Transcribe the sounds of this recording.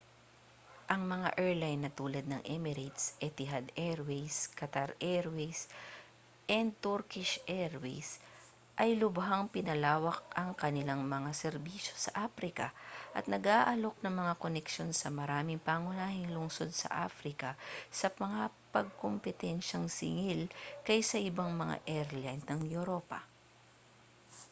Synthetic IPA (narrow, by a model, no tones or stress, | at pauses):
ʔɐŋmɐŋa̰ʔɛɹlajnːɐt̪uːlɐd̪̚nɐŋʔɛmɪɾajt̪sʔɛt̪ɪɦad̪ɛɹwɛjskɐt̪aɾʔɛɹwɛjs | ʔɛnd̪̚t̪uɾkɪʃʔɛɾwɛjs | ʔɐjlʊbɦaŋpɪnɐlaːwɐk̚ɐŋkɐnɪlaŋmɐŋasɛɾbiːʃo̞sɐʔaːfɾɪkɐ̰ʔɐt̪̚nɐɡʔaːʔɐlo̞k̚nɐŋmɐŋakonɛkʃo̞nsɐmɐɾaːmɪŋpaːŋʊnaːhɪŋlʊŋso̞d̪̚sɐ̰ʔa̰fɾɪkɐsɐmɐŋapɐɡ̚kompɛt̪ɛnʃɐŋsɪ̰ŋɪlkɐjsɐʔɪbaŋmɐŋa̰ʔɛɾlant̪nɐŋjuɾopɐ̰